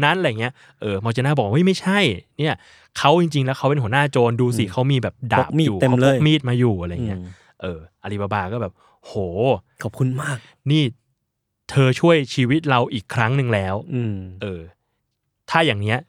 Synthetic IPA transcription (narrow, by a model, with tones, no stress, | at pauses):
na˦˥nʔjŋi˦˥ɐ | ʔɤː˧mɔː˧t͡ɕa˧naː˥˩bɔː˨˩k̚wa˥˩jma˥˩jt͡ɕʰa˥˩jni˥˩ɐ | kʰa˦˥wt͡ɕi˧ŋt͡ɕi˧ŋlɛː˦˥wkʰa˦˥wpe˧nɦu˩˦naː˥˩t͡ɕoː˧nduː˧si˨˩kʰa˦˥wmiː˧bɛː˨˩p̚da̰˨˦˨kmiː˦˥uː˨˩t̪e˧˦˥lːmiː˥˩t̪̚maː˧juː˨˩ʔa˧ɾa˧ja˨ŋːi˦˥ɐ | ʔɤː˧˩ʔa˧li˦˧˩ba˧baː˧kɔː˥˩bɛː˨˩p̚ | hoː˨˩kʰɔ˨˩p̚kʰu˧nmaː˥˩k̚ | niː˥˩ | t̪ʰɤː˧t͡ɕʰu˥˩əjt͡ɕʰiː˧wi˦˥t̪̚ɾa˧wʔiː˨˩kʰɾa˦˥ŋnɯ˧ŋlɛː˦˥wʔɤː˧˩ | t̪ʰaː˥˩jaː˨˩ŋni˦˥ɐ